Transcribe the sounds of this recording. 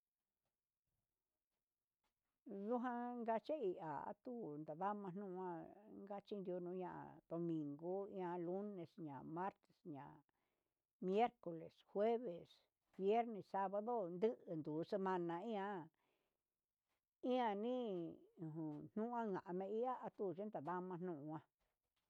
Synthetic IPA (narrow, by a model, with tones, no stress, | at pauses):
du˦ɦã˦ŋɡa˧t͡ʃa˦i˧ʔa̰˨a̰˦t̪u˦nd̪a˨ða˦mã˧n̥nũ˦ʔã˦ŋɡa˦t͡ʃi˦nɾjo˧nũ˧ɲã˧ʔa̰˨d̪̥o˨mĩ˨ŋɡo˦ĩ˦ã˧lu˦ne˨sɲã̰˨ma˦ɾt̪e̥˨sɲã˨ | mje˦ɾko˨le˨shwe˦βe˨s | βje˦ɾnẽ˨sa˧βa˧ðo˦nd̪ɨ˦ʔɨ˨nd̪uː˨˦se˧mã˧nã˧ĩ˦ã˧ | ĩ˦ã˧nĩ˦˨ɦũ˨n̥nũ˦ʔã˦ŋã˨ʔa˧mẽ˧i˦ʔa˦a˧t̪u˦˨t͡ʃe˦nd̪a˨ða˦mã˧n̥nũ˦˧ʔũ˧ã˧